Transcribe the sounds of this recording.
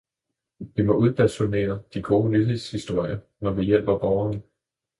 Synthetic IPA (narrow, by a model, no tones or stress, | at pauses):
ʋimɒ̽ʔuð̞ˠb̥æd̥sone̝̰ːɐd̥iɡ̥ʰo̝ːlye̝ð̰ˠshisd̥o̝ɐ̰jɐ | nɒʋijel̰b̥ɐb̥ɒʊɐnə